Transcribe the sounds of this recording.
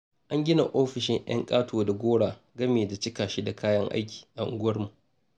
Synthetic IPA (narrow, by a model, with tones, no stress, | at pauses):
ʔa˦ŋɡʲɪ˦na̰˨ʔoː˦ɸɪ˨ʃɪ˦ŋj̰ɐ̰˦ŋkʼaː˦tʰoː˨da˨ɡʷoː˦ɽaː˨ | ɡɐ˦meː˨da˨t͡ʃɪ˦kaː˨ʃi˦da˨kʰaː˦jɐ˦ŋʔa̰˦jkʲi̥ː˨ʔa˨ʔʊ̰˨ɡʊ˦ɐ˦rmu˨ʔ